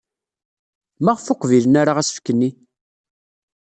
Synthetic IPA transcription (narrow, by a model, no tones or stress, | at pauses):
mæʁfʊqvilənaɾaʁæsə̥fkːənːi